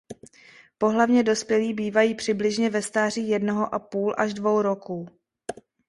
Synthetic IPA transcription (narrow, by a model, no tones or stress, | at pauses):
po̞ɦlavɲɛdo̞spjɛliːbiːvajiːpr̝̥ɪblɪʒɲɛvɛst̪aːriːjɛdnoɦoʔapuːlʔaʒdvo̞wɾo̞kuː